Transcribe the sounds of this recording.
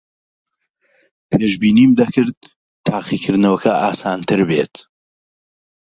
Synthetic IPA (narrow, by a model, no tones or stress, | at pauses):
pʰeːʒbiːniːmd̪ɐkʰɨɾd̪̚ | t̪ʰːaːqiːkʰɨɾd̪nɐwɐkʰɐʔaːsaːnt̪ʰɨɾbeːt̪